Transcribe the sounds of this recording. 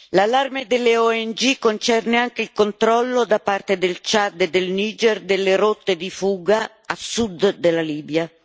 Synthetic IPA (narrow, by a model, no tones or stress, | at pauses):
lalːarmed̪elːeɔɛnd͡ʒikont͡ʃɛrneaŋk̟eilkont̪ɾɔlːod̪apart̪ed̪elt͡ʃad̪ed̪elniːd͡ʒɛrd̪elːeɾot̪ːed̪ifuːɡa | asud̪dːelaliːbja